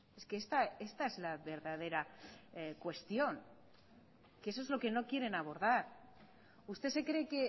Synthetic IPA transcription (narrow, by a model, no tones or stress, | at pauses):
e̞skeest̪aest̪aezlaβe̞ɾðað̞e̞ɾa | kwe̞st̪jo̞ŋ | kees̬oezlo̞ke̞no̞kje̞ɾe̞naβ̞o̞ɾðaɾ | ust̪e̞se̞kɾe̞ke̞